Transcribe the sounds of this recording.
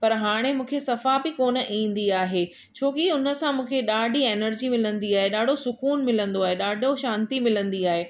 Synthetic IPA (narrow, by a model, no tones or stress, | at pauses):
pɐɾɦaːɽ̃emũːkʰesɐfabɪkoːnə̆ʔĩːn̆d̪iaːɦeː | t͡ɕʰoːkiʊn̤ə̆sãmũːkʰeɗaːɖʱieːnəɾd͡ʑimɪlə̃nd̪iaːɦeɗaːɖʱosʊkuːnmɪlə̃nd̪oaːɦeɗaːɖʱoʃãːnt̪imɪlə̃nd̪iaːɦeː